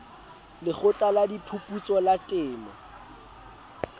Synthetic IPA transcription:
lɪχʊt͡ɬʼaladipʰupʼut͡sʼɔlatʼɪːmɔ̰

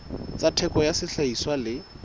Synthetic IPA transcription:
t͡satʰɛkʼɔjasɪɬaiswalɪ

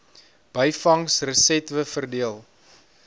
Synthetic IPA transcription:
b̥əjfɐŋsrəsɛtvəfərdiəlˠ

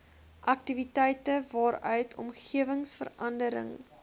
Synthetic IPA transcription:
ʔɐk̚tivitɛjtəvɑːɾœɥtʰɔ̰mχiəvəŋsfə̰rɐndəɾə̰ŋ

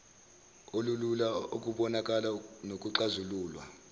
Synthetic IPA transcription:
olululaok̬ʼuɓɔnak̬ʼalanok̬ʼuǁazuluːlwa̰

